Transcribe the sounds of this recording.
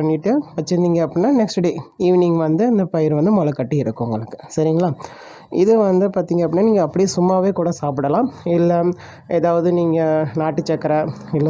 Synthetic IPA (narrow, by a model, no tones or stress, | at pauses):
pɐɳːɪʈːɯʋɐt͡ʃːɐnd̪iŋɡɐɐpːɪnːaːnɛksʈɖeːiːʋɪnɪŋɡʋɐnd̪ɯɪnd̪ɐpɐjɪɾʋɐnd̪ɯmɔlɐkːɐʈːiɪɾɯkːʊŋɡɐɭɯkːɯ̥sɐɾɪŋɡɐɭaː | ɪðɯʋɐnd̪ɯpaːɾt̪iːŋɡɐpːɪnːaːniːŋɡɐːpːɐɽisʊmːaːʋeːkuːɽɐsaːpɪɽɐlãːɪlːɐ | ɛːðaːʋɐðɯniːŋɡɐnaːʈːɯt͡ʃːɛkːɐɾɐɪlː